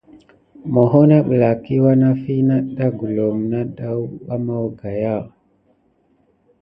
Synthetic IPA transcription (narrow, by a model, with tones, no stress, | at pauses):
mo˨ɦo˦na˦ɓə˨la˨ki˦wa˦na˦fi˦na˦ɗa˦ɡu˨lo˨mna˦ɗa˦wwa˦mo˦wɡa˨ja˦˨